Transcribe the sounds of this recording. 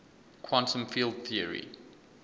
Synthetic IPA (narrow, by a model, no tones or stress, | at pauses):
kʰwɔ̃ntʰə̃mfiːlˠd̚θiəɹḭ